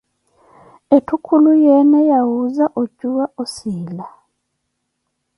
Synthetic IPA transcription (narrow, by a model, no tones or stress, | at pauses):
etukʰulujenejawuzaʔoɟuwaʔosiːla